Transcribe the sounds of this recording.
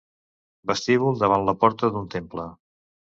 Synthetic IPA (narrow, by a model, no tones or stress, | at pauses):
bəst̪iβulˠd̪əβ̞anləpɔɾt̪əðunt̪emplə